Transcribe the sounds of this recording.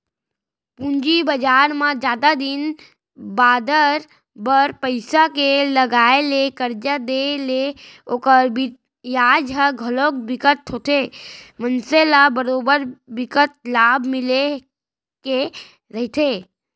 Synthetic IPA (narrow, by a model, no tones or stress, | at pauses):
pũɲd͡ʒibəd͡ʒaːɾmãd͡ʒjaːd̪ad̪ɪn | baːd̪əɾ | bəɾpəɪsakeləɡaːelekəɾd͡ʒad̪eleoːkəɾbɪ | jaːd͡ʒɦaɡʱəloːk̚bɪkət̪ɦot̪emənselabəɾoːbəɾbɪkət̪̚laːbʱmɪle | ke | ɾəɦt̪ʰe